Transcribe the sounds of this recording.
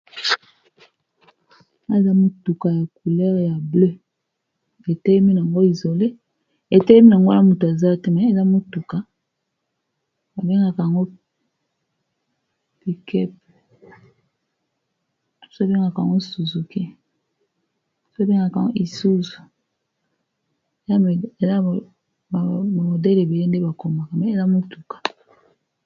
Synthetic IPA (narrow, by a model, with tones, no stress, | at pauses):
a˦˨za˦mo˨tu˨ka˨ja˨ku˨lɛ˦ʁja˨blø˦ | e˨te˦mi˦n˨a˨ŋɡo˦i˨zo˨le˦ | e˨tɛ˦ɛ˦mi˦na˨ŋɡo˦a˦mo˨tu˨a˨za˦te˦mɛ˨e˨za˦mo˦tu˨ka˨˦ | a˨be˦ŋɡa˨ka˨ja˨ŋɡo˦ | pi˨kɛ˦p̚ | so˦be˦ŋɡa˨ka˨a̰˨ŋɡo˦su˨zu˨ke˦˨ | so˦be˦ŋɡa˨ka˨a̰˨ŋɡo˦i˨su˦zu˨ | za˦˨za˦˨ | m˨mo˨dɛ˦le˨be˨le˦nde˦ba˨ko˨ma˨ka˨ma˨˦e˦˨za˦mo˦tu˨kḁ˨